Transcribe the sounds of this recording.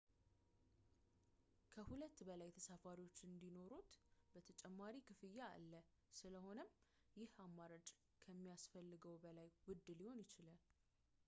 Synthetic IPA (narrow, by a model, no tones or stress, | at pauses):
kʰəhulət̪ːbəlajt̪ʰəsafaɾiwo̞t͡ʃːɨnd̪ino̞ɾut̪bət̪ʰət͡ʃʼɛmːaɾikʰɨfɨjːaa̰lːə | sɨləho̞nəmjɪhamːaɾat͡ʃʼ | kʰəmːijasfəlːɨɡəwbəlajwʊd̪ːɨliho̞njɪt͡ʃɪlal